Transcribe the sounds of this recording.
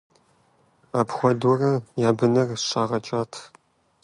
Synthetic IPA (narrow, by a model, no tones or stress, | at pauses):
aːpχʷɔdurɐjaːbɨnɐrɕʼaːʁɐt͡ʃʼaːtʰ